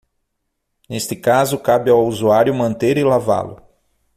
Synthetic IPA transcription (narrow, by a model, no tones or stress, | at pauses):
nest̪ɪkazʊkabɪawuzuaɾjʊmɐ̃nt̪eɾɪlava̰lʊ̰